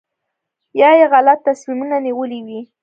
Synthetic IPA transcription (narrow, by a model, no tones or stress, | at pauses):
jɑjeɣalat̪ːasmimunaniwəliwi